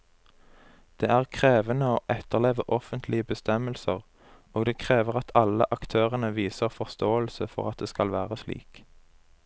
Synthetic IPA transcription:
d̪̥eːæːʁkʰʁeːʋənəoːʔɛt̪əʁleːʋəʔɔfənt̪ʰlɪəbəst̪ɛməlsəʁ | oːɡd̪eːkʰʁeːʋəʁɑt̪ʰɑlə̰ʔɑkt̪ʰøːʁənəʋiːsəʁfɔʁst̪oːəlsəfɔ̰ʁɑt̪̚d̪eːskɑlʋæːʁəslḭːk

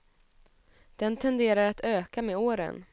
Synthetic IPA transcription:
d̪̥ɛnt̪ʰɛnd̪eːɾaɾat̪ʰøːkameoːɾə̰n

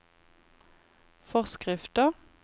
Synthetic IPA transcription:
fɔʁskʁɪft̪ə

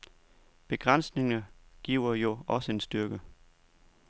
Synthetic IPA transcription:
b̥e̝ɡ̥ʁan̰sne̝ŋɐɡ̥iʊ̰ɐjo̝ɒ̽səe̝nsd̥yɐɡ̥ə

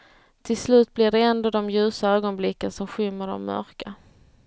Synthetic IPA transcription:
t̪ʰɪlslʉ̟ːt̪̚blɪɖɛɛnd̪oːd̪ɔmjʉ̟ːsaøːɡɔnblɪkːənsɔmɧʏmːəɖɔ̰mːœ̰ɾka

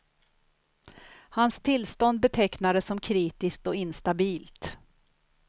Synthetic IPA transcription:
hanst̪ʰɪlːst̪ɔnd̪̚bɛt̪ʰɛknad̪əsːɔmkʰɾiːt̪ɪsk̚t̪ɔɪnst̪abiːlt̪

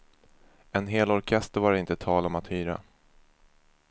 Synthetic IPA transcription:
ɛnɦeːlɔɾkʰɛst̪əɾvaɾɪnt̪ət̪ʰɑːlɔmat̪hyːɾa̰

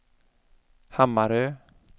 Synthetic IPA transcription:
hamaɾɛ

